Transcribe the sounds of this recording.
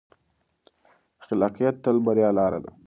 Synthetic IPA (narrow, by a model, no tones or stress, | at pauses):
xɪlɑqijat̪ːalbaɾjɑlɑɾa̰d̪a̰